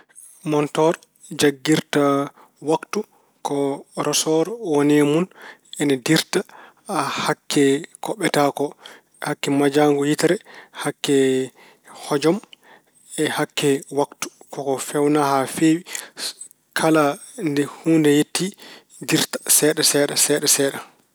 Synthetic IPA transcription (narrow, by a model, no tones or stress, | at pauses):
mɔntɔɾ | d͡ʒaɡːiɾta | waktu | kɔɾʔɔsɔɾɔonemunɛnɛdiɾta | ahakːɛkʰɔɓːɛtakɔ | ɛhakːɛmad͡ʒaŋɡɔjitɾɛhakːɛ | hɔd͡ʒɔm | ɛhakːɛwaktu̥kɔkɔfɛwnahafewi | kʰala | ndɛhundɛjetːi | diɾtḁsɛːɗɛsɛːɗasɛːɗɛsɛːɗa